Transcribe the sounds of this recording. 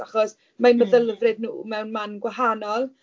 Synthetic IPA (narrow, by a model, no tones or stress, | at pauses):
aχɔs | manməðəlˠvrɨdnṵːmɛwnmanɡwaɦanɔlˠ